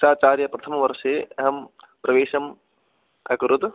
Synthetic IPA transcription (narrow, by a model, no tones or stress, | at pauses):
ʃaːt͡ʃaːɾjɐpɾɐt̪ʰɐmɐʋɐɾʃeːɐɦɐm | pɾʔɐʋeːʃɐm | ɐkɾud̪